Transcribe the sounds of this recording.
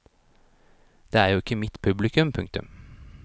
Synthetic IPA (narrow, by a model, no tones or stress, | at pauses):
d̪̥eːæːɾjuːɪkːəmɪt̪pʰʉblɪkʉmpʰʉŋk̚t̪ʉ̰m